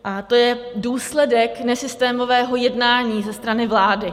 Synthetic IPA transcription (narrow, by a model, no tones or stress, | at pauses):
ʔat̪o̞jɛduːslɛdɛknɛsɪst̪ɛːmo̞vɛːɦo̞jɛdnaːɲiːzɛst̪ɾanɪvlaːdɪ